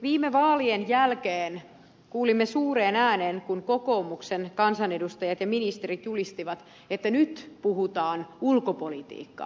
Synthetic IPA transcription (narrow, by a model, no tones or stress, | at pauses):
ʋiːmeʋɑːlienjælkeːn | kuːlimːesuːɾeːnæːneːnkunko̞koːmuksenkɑnsɑne̞dust̪ɑjɑt̪jɑminist̪eɾit̪julist̪iʋɑt̪ | et̪ːænyt̪puɦut̪ɑːnulkopolit̪ḭːkːɑ̰